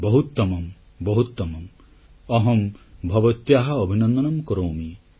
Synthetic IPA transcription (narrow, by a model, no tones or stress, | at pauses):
bɔɦut̪ːɔmɔm | bɔɦut̪ːɔmɔm | ɔɦɔmbʱɔbɔt̪jaɦɐɔbʱinɔnd̪ɔnɔmkɔɾowmi